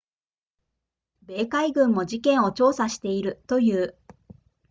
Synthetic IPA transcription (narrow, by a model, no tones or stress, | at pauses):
be̞ːkaiɡɯ̟̃mːo̞d͡ʑikẽ̞ɰ̃o̞t͡ɕo̞ːsaɕi̥t̪e̞iɾɯ̟t̪o̞jɯ̟ː